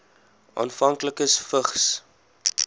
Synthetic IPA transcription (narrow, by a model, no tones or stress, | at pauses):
ʔɑ̰ːnfɐŋkləkəsfəχs